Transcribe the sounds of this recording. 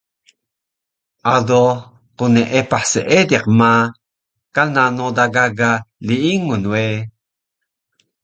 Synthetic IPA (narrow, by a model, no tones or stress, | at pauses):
ʔado | quneʔepaħseʔediqma | kalnanod̪aɡaɡaliiŋunwe